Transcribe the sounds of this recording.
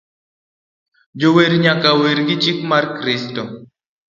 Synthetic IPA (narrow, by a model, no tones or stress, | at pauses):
d͡ʒoweɾɲakaweɾɡɪt͡ʃikmarkɾɪsto